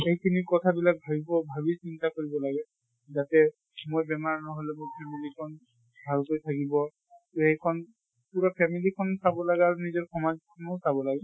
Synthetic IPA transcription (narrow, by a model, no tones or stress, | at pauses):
eɦjkʰinikɔtʰabilak̚bʱabibɔbʱabisintakoɹibɔlaɡɛ | zatɛ | mojbɛmaɹnɔɦɔlɛmuɹpʰɛmilikʰɔn | bʱalkojtʰakibɔ | tejkʰɔn | puɹɔpʰɛmilikʰɔnsabɔlaɡaɹunizɔɹkʰɔmazkʰɔnɔsabɔlaɡɛ